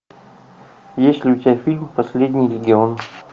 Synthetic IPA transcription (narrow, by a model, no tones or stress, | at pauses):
jesʲt̪ʲlʲɪʊt̪ʲɪbʲafʲilʲmpɐsʲlʲedʲnʲɪjlʲɪɡʲɪon